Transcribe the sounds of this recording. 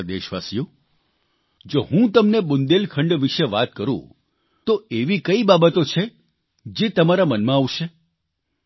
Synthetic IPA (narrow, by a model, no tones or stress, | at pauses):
d̪ḛʃʋa̰sijũ | d͡ʒoɦũt̪əmnebʊnd̪elkʰəɳɖʋiʃeʋat̪kəɾṵ̃ | t̪oeʋikəibabət̪ot͡ʃʰe | d͡ʒet̪əmaɾamənmãaʋʃe